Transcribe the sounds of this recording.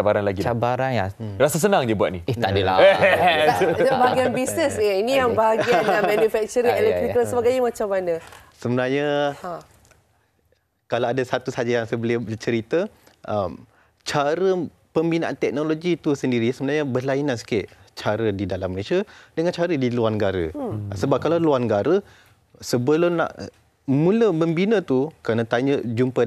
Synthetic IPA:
abaɾanlaɡiabaɾanja | rasas̬ənaŋd͡ʒəbuat̪̚nieadəla̰ | d͡ʒabaaɡianbisnəsainijaŋbaɦaɡianamanufɛk̚t͡ʃəɾielɛkt̪ɾikəlsəbaɡaɲəmat͡ʃamanəsəbənarɲə | kalaadasat̪usad͡ʒajaŋsəbəlɪt͡ʃəɾit̪əʔəm | t͡ʃaɾə | pəmbinaʔant̪ɛk̚noloɡit̪usəndiɾisəbənaɲəbəlainansi̥kɪʔ | t͡ʃaɾədidalamːəlesiadəŋant͡ʃaɾədiluarnəɡaɾə̰səbap̚kalaluarnəɡaɾə | səbəlona̰ʔ | mũləməmbinə̃t̪ukɾanət̪aɲəd͡ʒumpə

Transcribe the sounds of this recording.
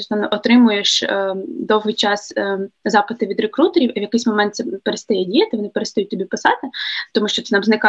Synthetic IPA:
ɔsnɔʔɔt̪ɾɪmʊjeʃ | d̪ɔwɦɪjt͡ʃɑszɑpɪt̪ɪʋʲid̪ɾekɾut̪eɾʲiwiʋjɐkɪjsʲmɔmɛnt̪sɛpeɾest̪ɐjɛdʲijɐt̪ɪʋɔnɪpeɾest̪ɐjutʲt̪ʲːɔbʲipɪsɑt̪ɪt̪ɔmuʃt͡ʃɔt̪ɪnɑmznɪkɑ

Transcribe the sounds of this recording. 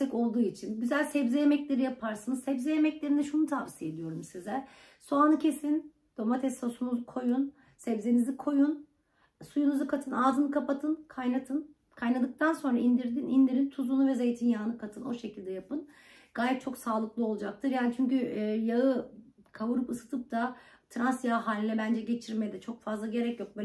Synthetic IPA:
ɛko̞lˠd̪uːit͡ʃʰinɟyzælʲsɛbzɛjemɛclʲe̞ɾijapʰaɾsanɯzsɛbzɛjemɛclʲe̞ɾinɛʃunut̪ʰavsijed̪ijo̞ɾumsizɛ | soanɯcʰe̞sin | d̪̥o̞mat̪ʰɛsosunuzukʰo̞jun | sɛbzenizikʰo̞jun | sujunuzukʰat̪ʰɯnaːzɯnɯkʰapat̪ʰɯnkʰajnat̪ʰɯn | kʰajnad̪ɯk̚t̪ʰanso̞nɾaind̪iɾd̪inind̪iɾint̪ʰuzunuvɛze̞jt̪ʰinjaːnɯkʰat̪ʰɯno̞ʃe̞cʰilʲd̪ɛjapɯn | ɡ̥aːjɛt̪̚t͡ʃʰo̞ksaːlˠɯklˠɯo̞lˠud͡ʒak̚t̪ʰɯɾjaːnit͡ʃʰyɲcyːjaɯ | kʰavuɾɯpɯsɯ̥t̪ʰɯp̚t̪ʰa | t̪ʰɾansjaɦaːlʲinɛbænd͡ʒɛɟe̞t͡ʃʰiɾmɛjɛd̪ɛt͡ʃʰo̞kfazlˠaɟe̞ɾɛcjo̞k̚bø

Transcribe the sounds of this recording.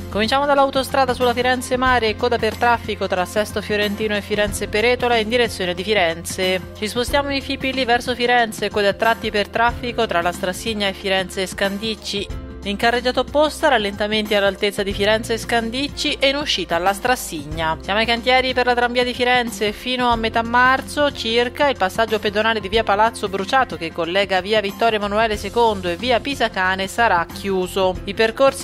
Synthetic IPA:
komint͡ʃaːmod̪alːawt̪ost̪ɾaːd̪asulːafiɾɛnt̪semaːɾeːkːɔːd̪apert̪ɾafːikot̪ɾasːɛst̪ofjoɾent̪iːnoefːiɾɛnt̪sepeɾɛːt̪olaind̪iɾet̪sːjoːned̪ifiɾɛnt̪se | t͡ʃispost̪jaːmoinfipːilivɛrsofiɾɛnt̪sekoːd̪at̪ɾat̪ːipert̪ɾafːikot̪ɾalast̪ɾasːiɲːaefːiɾɛnt̪seːskand̪it͡ʃːi | iŋkarːed͡ʒːaːt̪opːost̪aɾalːent̪ament̪ialːalt̪et̪sːad̪ifiɾɛnt̪seːskand̪it͡ʃːiʔeinuʃːiːt̪aːlːast̪ɾasːiɲːasjaːmoajkant̪jɛːɾiperlat̪ɾaɱviːad̪ifiɾɛnt̪sefiːnoamːet̪amːart̪sot͡ʃirkailpasːad͡ʒːoped̪onaːled̪iviːapalat̪sːobɾut͡ʃaːt̪okekːolːɛːɡaviːavit̪ːɔɾjamanuɛːlesekond̪oevːiːapizakaːnesaɾakʰːjuːzoiperkorsi

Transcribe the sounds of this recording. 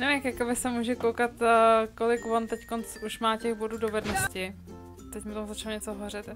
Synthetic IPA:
nɛvɪmkjakobɪsɛmuːʒɛkowkat̪ːkolɪkvo̞nt̪ɛckonsuʃmaːcɛxbo̞duːdo̞vɛdnoscɪ | t̪ɛcmot̪omzat͡ʃaloɲɛt͡soɦorɪt̪

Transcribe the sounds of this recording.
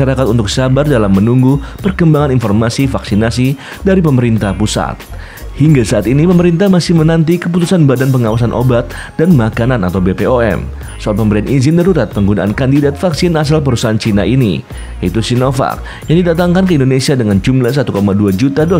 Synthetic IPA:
aɾakat̪unt̪ʊksabardalamːənuŋɡupərkəmbaŋaninfɔrmasifaksinasi | daɾipəməɾint̪ahpusa̰t̪̚ | hiŋɡasaʔat̪inipəməɾint̪amasɪhmənant̪̬ikəput̪usanbadanpəŋawasanʔo̰bat̪̚ | d̥anmakanana̰t̪awbepeoɛ̰m | soalpəmbəɾianʔizɪnd̪aɾuɾat̪̚pəŋɡunaʔankandidat̪̚faksɪnas̬alp̬əɾusaɦant͡ʃina̰ʔinḭ | jait̪usinofa̰k̚ | jaŋdidat̪aŋkankəindonesiadəŋand͡ʒumlahs̬at̪ukomaduad͡ʒut̪ado

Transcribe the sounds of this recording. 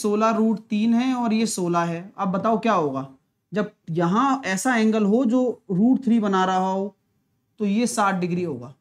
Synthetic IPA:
soːlaɾuːʈt̪iːnɦɛ̃ɔːɾjesoːlaɦɛːɐb̚bɐt̪aːokjaːɦoːɡaː | d͡ʒɐb̚jɐɦãɛːsaɛ̃ːŋɡəlɦod͡ʒoːɾuːʈt̪ʰɾibɐnaːɾɐɦaɦoː | t̪ojesaːʈ̚ʰɖɪɡɾiɦoːɡa̰ː

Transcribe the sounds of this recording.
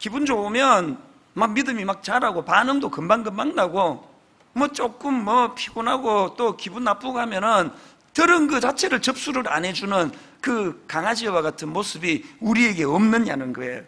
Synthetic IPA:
kibund͡ʑomjʌn | mak̚midɯmimak̚t͡ɕaɾaɡopanɯŋdokɯmbaŋɡɯmbaŋnaɡo | mwʌt͡ɕ͈ok͈ɯmːwʌpʰiɡ̥onaɡot͈okibunːap͈uɡoɦamjʌnɯn | tɯɾɯnɡɯt͡ɕat͡ɕʰe̞ɾɯɭt͡ɕʌp̚s͈uɾɯɾa̰nɦe̞d͡ʑunɯn | kɯkaŋad͡ʑiwaɡatʰɯnmosʰɯbiuɾie̞ɡe̞ʌmnɯɲa̰nɯnɡʌḛjo

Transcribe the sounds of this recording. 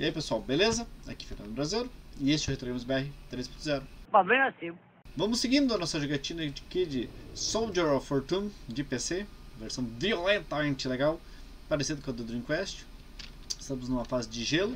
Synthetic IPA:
iaipesuawbelezɐa̰ki̥feɾnɐ̃nd̪ʊbɾazeɾʊɪest͡ʃɪɛwhet̪ɾoĩmʊzbɛɦɪt̪ɾespõt̪ʊzɛɾʊpabɾẽasĩ | vɐ̃mʊsɪɡĩnd̪ʊɐnɔsɐʒiɡat͡ʃĩnɐd͡ʒɪkɪd͡ʒɪsowd͡ʒeɾafoɾt̪ũmd͡ʒɪpeseveɾsɐ̃w̃violẽnt̪ɐmẽnt͡ʃɪleɡaw | paɾesid̪ɐkɐ̃d̪ʊd̪ʊɾĩkwɛst͡ʃʊ̥ | ɪst̪ɐ̃mʊznũmɐfazɪd͡ʒɪʒelʊ

